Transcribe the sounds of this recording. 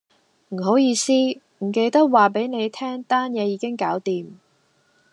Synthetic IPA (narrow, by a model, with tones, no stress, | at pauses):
m̩˨˩ɦo˨˥wjiː˧siː˥ | m̩˨˩ke˧jt̪ɐ˥k̚waː˨p̬e˨˥jne˨˧jt̪ʰɛː˥ŋt̪aː˥njɛː˨˧jiː˨˧kɪ˥ŋkaː˨˥wt̪iː˨m